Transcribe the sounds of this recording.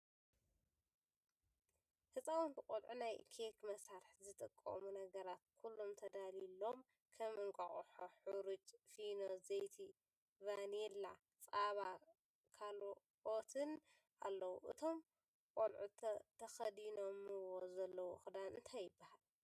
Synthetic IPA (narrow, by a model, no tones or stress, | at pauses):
hɨsʼawunbɨkʼolʕunajkʰekmɐsaɾħzɨt̪ʼɨkʼːɐ̰munɐɡɐɾat̪̚kʰulːo̞mt̪ʰɐd̪alilo̞m | kʰɐmɨŋkʼɐ̰χʼħoħuɾut͡ʃʼfinozɐjt̪ʰi | vanela | t͡sʼaβa | kʰal | ot̪ʰɨn | ʔalːɐwuʔɨt̪ʰo̞m | kʼolʕut̪ʰɐxɐd̪ino̞mɨwo̞zɐlːɐwuxɨd̪anɨnt̪ʰajːɨbːahal